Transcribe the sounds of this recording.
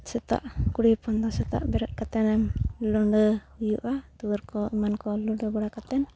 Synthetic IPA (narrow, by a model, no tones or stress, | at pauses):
sɛt̪a̰ʔkuɽipɔnd̪asɛt̪a̰ʔbɛɾɛt̪̚kat̪ɛnɛmlɔɳɖəhujuʔat̪uwəɾkɔimankɔluɖəbɔɽakat̪ɛn